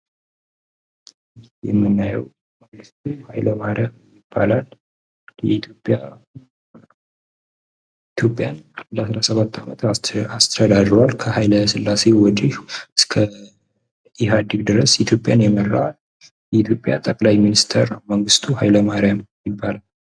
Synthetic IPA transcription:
jɛmːɨnːajɛ̰w | məŋɡɨst̪ʰʼuhajləmaɾjamjɪb̥ːalal | jɛ̰it̪ʰopʼa | it̪ʰjo̞pʼːjanad̪aslasəβat̪ʰːamət̪ast̪ʰəd̪ad̪ɾəwalkʰəhajləsɨlːase̞wɔd̪ihɨskʰə | ɛɦad̪iɡd̪ɨɾəsit̪ʰjo̞pʼjanjɛmərːa̰al | jɛit̪ʰjo̞pʼja̰t̪ʼəkʼlajminist̪ʰəɾnawməŋɡɨst̪ʰuɦajləmaɾjamjɪbːalal

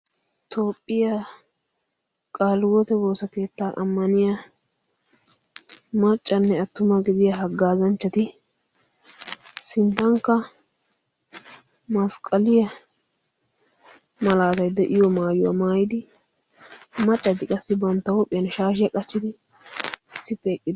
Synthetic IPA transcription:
t̪ʰo̞ːpʼːɪja | kʼaːlwɔt̪ɛwo̞ːsɐke̞ːt̪ːaːʔɐ̰mːɐnɪjɐ | mɐt͡ʃʼːɐnːɛɐt̪ːʊmɐɡɪd̪ɪjɐɦɐɡːaːzɐnt͡ʃːɐt̪ɪ | sɪnt̪ːɐŋkːɐ | mɐskʼɐlɪjɐ | mɐlaːt̪ɐjd̪ɛʔɪjɔmaːjʊwa̰maːjɪd̪ɪ | mɐt͡ʃʼːɐt̪ɪkʼɐsːɪbɐnt̪ːɐwɔpʼːɪjɐnʃaːʃ̬ɪjɐkʼɐt͡ʃːɪd̪ɪ | ɪsːɪpːɛːkʼːɪd̪

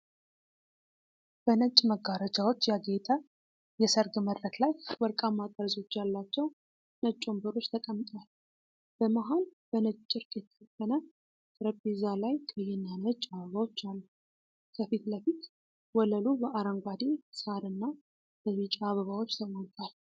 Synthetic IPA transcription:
b̥ənət͡ʃʼməɡaɾəd͡ʒawo̞t͡ʃːjaɡet̪ʼʰa | jɛsəɾɡməd̪ːət̪lajbəɾkʼamat̪ʼəɾzo̞t͡ʃːjalːat͡ʃːɛw | nət͡ʃʼːombɨɾo̞t͡ʃːt̪ʰəkʼəmːt̪ʼwal | b̥əmaɦonb̥ənət͡ʃːʼɨɾkʼjɛt̪ʰːə̥kəkːənə | kʼɾəbezalajkʰəjɛnːanət͡ʃʼːaβəβawo̞t͡ʃːalːu | kʰəfit̪ləfit̪ | wɔləlubəʔaɾəŋɡʷad̪esaɾɨnːa | b̥əβit͡ʃʼaβəβawo̞t͡ʃːt̪ʰəmont̪ʼal

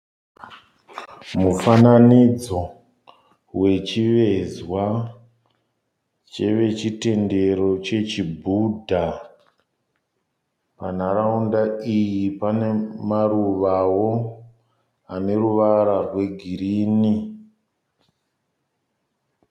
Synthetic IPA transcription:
mufananid͡zo̞ | we̞t͡ʃiʋe̞zwa | t͡ʃe̞ʋe̞t͡ʃite̞nde̞ro̞t͡ʃe̞t͡ʃibʱudʱa | pan̤aɾaundaijipane̞maruʋawo̞ | ane̞ruʋaɾarwe̞ɡʱiɾiːni

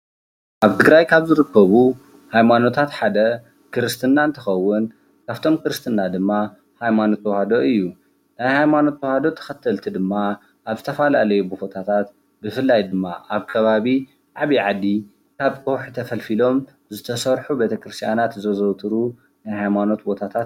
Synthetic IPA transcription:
ʔaβt̪ʰɨɡɾajkʰaβzɨɾɨkːɐβu | hajmano̞t̪ʰat̪ħad̪ɐ | kɨɾɨst̪ʰɨnːaɨnt̪ʰɨxɐwːʊn | kʰaβt̪ʰo̞mkɨɾɨst̪ʰɨnːad̪ɨmːa | hajmano̞t̪ʰwɔhad̪o̞ʔɨjːu | najhajmano̞t̪wohad̪o̞t̪ʰɐ̥xɐt̪ʰːɐlt̪ʰid̪ɨmːa | ʔaβzɨt̪ʰɐfalalɐjubufot̪ʰat̪ʰat̪ | bɨfɨlːajd̪ɨmːaʔaβkʰɐβaβi | ʕaβiʕad̪ːi | kʰaβkʼowħt̪ʰɐfɐlfilo̞m | zɨt̪ʰɐsɐɾħube̞t̪ʰɐkɾɨst̪ʰijanat̪zɐzɐwt̪ʰʼɨɾu | najhajmano̞t̪̚bo̞t̪ʰat̪ʰat̪

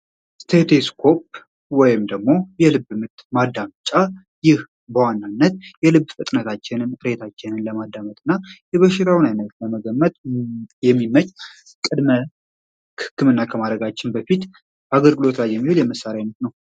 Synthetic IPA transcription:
st̪ʰet̪ʰeskʰo̞p̚ | wɔjɪmd̪əɡmo̞jɛlɨbɨmɨt̪mad̪ːamt͡ʃʼːa | jɪh | bəwanːanːət̪jɛlɨbːfɨt̪ʼnət̪ʰat͡ʃːɪnɨnɨɾet̪ʰat͡ʃːɪnɨnləmad̪ːamət̪ʼɨnːajɛβəʃɪɾʰawnajnət̪ləməɡəmːət̪ʼjɛmːimət͡ʃʼ | kʼɨd̪mə | kʰɨ̥kːɨmɨnːakʰəmad̪ɾəɡat͡ʃːɪnbəfit̪ | aɡəlɡɨlo̞t̪lajːɛmːihɨljɛməsːaɾjajnət̪nəw

